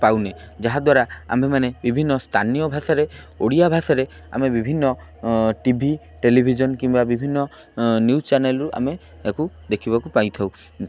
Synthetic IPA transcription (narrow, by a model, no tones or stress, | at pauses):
pawne | d͡ʒaɦad̪waɾaa̰memanebibʱinːɔst̪ʰanijɔbʱasɔɾe | oɽiabʱasɔɾe | a̰mebibʱinːɔ | ʈibʱi | ʈelibʱid͡ʒɔnkimbabibʱinːɔ | njust͡ʃaɾnelɾuʔa̰me | eku | d̪ekʰiβakupaj̃t̪ʰaw